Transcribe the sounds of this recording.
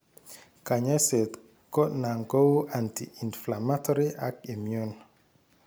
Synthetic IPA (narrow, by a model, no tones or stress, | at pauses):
kaɲaset | kɔnaŋkowʔantḭʔinflamatɔɾiʔakimjun